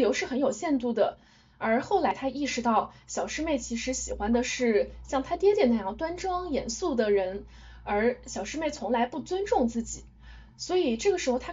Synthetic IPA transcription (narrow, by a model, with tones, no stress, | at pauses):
jo˧˥ʊʂɻ̩˥˩xə˧˥njo˨˩ʊɕjɛ˥˧nt̪u˥˩d̪ə˩ | ə˞˧˥xo˥˩ʊla˧˥ɪt̪ʰa˥i˥˩ʂɻ̩˧˥t̪ɑ˥˩ʊɕjɑ˨˩ʊʂɻ̩˥me˥˩ɪt͡ɕʰi˧˥ʂɻ̩˧˥ɕi˨˩xwa˥nd̪ə˨ʂɻ̩˥˩ɕjɑ˥˩ŋt̪ʰa˥t̪jɛ˥t̪jɛ˨˩nə˧˥jɑ˥˩ŋt̪wa˥nʈ͡ʂɤ˥ŋjɛ˧˥nsu˥˩d̪ə˩ɻə˧˥n | ə˞˧˥ɕjɑ˨˩ʊʂɻ̩˥me˥˩ɪt͡sʰʊ˧˥ŋla˧˥ɪpu˥˩t͡swə˥nʈ͡ʂʊ˥˧ŋt͡sɹ̩˥˩t͡ɕi˨˩˦ | swɔ˧˥i˨˩ʈ͡ʂɤ˥˩ɡə˩ʂɻ̩˧˥xo˧ʊt̪ʰa˥